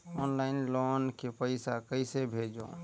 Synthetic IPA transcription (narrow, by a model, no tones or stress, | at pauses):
ɔːnlaɪnlɔnkepəɪsakəɪsebʱeːd͡ʒõ̰